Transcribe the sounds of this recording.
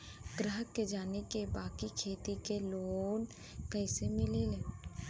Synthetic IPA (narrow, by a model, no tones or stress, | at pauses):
ɡɾəɦəkːed͡ʒaːnekebaːkikʰeːt̪ikeloːn | kɛːsemɪlele